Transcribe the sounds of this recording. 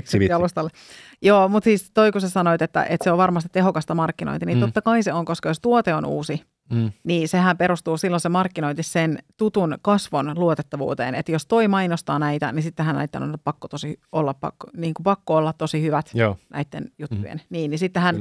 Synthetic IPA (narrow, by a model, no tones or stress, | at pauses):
ɑlust̪ɑlːe | joːmut̪siːst̪oikusesɑnoit̪et̪ːæ̰ʔet̪seoʋʋɑrmɑst̪i̥t̪t̪eɦokɑst̪ɑmɑrkːino̰int̪iniot̪ːɑkɑiseoŋkoskɑjost̪uot̪eonṵːsi | niːsehæmpeɾust̪uːsilːonsemɑrkːinoint̪issent̪ut̪unkɑsʋonluot̪et̪ːɑʋṵːt̪ḛːnet̪jost̪oimɑinost̪ɑːnæit̪æ̰nisit̪ːeɦænæ̰it̪ːæ̰no̰nppɑkːot̪osiolːɑppɑ̰kːniːŋkupɑkːoolːɑt̪t̪osihyʋæt̪ːnʔæ̰it̪ːḛnjut̪ːujḛnniːnnisit̪ːehæn